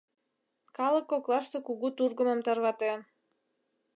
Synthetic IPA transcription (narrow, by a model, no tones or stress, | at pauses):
kɑləkːoklˠɑʃt̪okuɣut̪urɣə̆mə̆mt̪ɑrβɑt̪e